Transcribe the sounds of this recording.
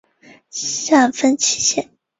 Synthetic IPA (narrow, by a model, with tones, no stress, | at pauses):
ɕa˥˩nfə˥nt͡ɕʰi˧˩ɕjɛ˥˩˦n